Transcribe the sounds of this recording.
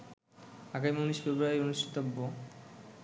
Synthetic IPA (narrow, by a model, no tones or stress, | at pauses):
akajmoniʃfebɾoajonuʃʈʰi̥t̪obːo